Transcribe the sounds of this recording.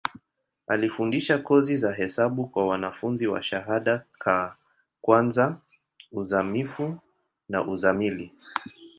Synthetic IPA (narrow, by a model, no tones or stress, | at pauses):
alifundiʃakɔzizaɦɛsaɓukwawanafunziwa̰ʃaɦaɗakʰa | kwanza | uzamifu | na̰ʔuzamili